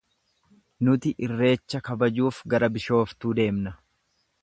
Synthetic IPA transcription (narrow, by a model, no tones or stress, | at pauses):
nʊt̪ɪʔɪrːe̞ːt͡ʃːɐkɐbɐd͡ʒuːfɡɐɾɐbɪʃo̞ːft̪uːd̪e̞ːmnɐ